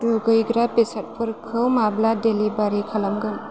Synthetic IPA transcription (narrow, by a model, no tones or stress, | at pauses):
uɡɯjɡɾapesat̚pʰɯɾkʰɯwmabladelibaɾikʰalamɡɯn